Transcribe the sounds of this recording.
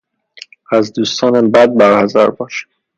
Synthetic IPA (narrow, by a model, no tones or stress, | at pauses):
æzd̪uːst̪ʰɒːnæmbæd̪̚bæɾhæzæ̰ɾbɒːʃæ̥